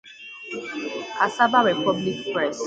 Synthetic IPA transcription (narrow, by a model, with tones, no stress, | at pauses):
a˨sa˦ba˦ɾe˨pɔ˦bli˦kpɾɛ˦˨s